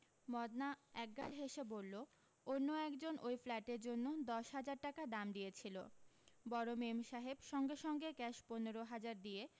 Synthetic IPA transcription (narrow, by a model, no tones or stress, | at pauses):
mɔd̪naɛk̚ɡa̰ɾɦeʃebolːo | onːoɛkd͡ʑonʔojflɛʈeɾd͡ʑonːod̪ɔʃɦad͡ʑaɾʈakad̪amd̪ijet͡ɕʰilo̰bɔɾomemʃaɦebʃɔŋɡeʃɔŋɡekɛʃponeɾoɦad͡ʑaɾd̪ie